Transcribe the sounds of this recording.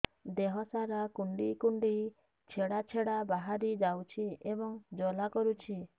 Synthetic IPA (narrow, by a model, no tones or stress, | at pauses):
d̪eɦɔsaɾakuɳɖikuɳɖi | t͡ʃʰeɽat͡ʃʰeɽabaɦaɾid͡ʒawt͡ʃʰiebɔŋd͡ʒɔlakɔɾut͡ʃʰi